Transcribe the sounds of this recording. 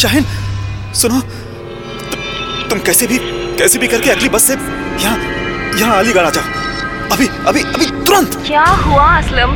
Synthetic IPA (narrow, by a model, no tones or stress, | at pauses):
ʃaːɦɪn | sʊno | ʊ | t̪ʊmkɛːsebʱikɛːsebʱikɐɾkeɐɡlibɐsːejɐɦãjɐɦãaːliɡɐɭaːd͡ʒaːoɐbʱiɐbʱiɐbʱit̪ʊɾə̃nt̪kjaːɦuaɐsləm